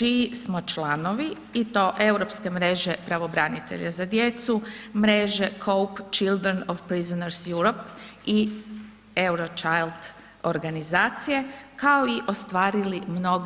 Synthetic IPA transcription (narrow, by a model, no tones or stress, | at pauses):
t͡ʃiismo̞t͡ʃlˠano̞ʋi | it̪o̞ːʔe̞wɾo̞pske̞mɾe̞ʒe̞pɾaʋo̞bɾanit̪ḛʎazad̪je̞t̪sumɾe̞ʒe̞kʰowpt͡ʃild̪ɾenoʋpɾizonaɾsjuɾopi | e̞wɾo̞t͡ʃajld̪ | o̰ɾɡanizaːt̪sije̞kaoiʔo̞st̪ʋaːɾilimno̞ɡ